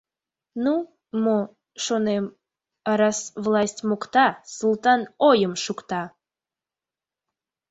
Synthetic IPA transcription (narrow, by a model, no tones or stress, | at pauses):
nu | mo | ʃonem | ɑɾɑsvlˠɑsʲtʲmokt̪ɑsulˠt̪ɑnojəmʃukt̪ɑ